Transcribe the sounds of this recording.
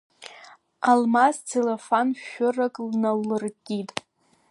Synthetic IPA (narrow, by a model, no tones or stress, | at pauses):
almaztʰelefanʃʊrakʼlnawlɨrkʲʼitʼ